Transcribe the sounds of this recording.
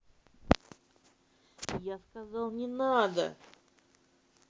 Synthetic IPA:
jaskɐzɑlˠnʲɪnad̪ə̰

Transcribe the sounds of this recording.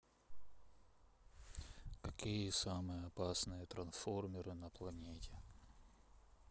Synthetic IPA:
kɐkʲijəsamɨjəɐpasnɨjət̪ɾɐnsformʲɪɾɨnəplˠɐnʲetʲɪ

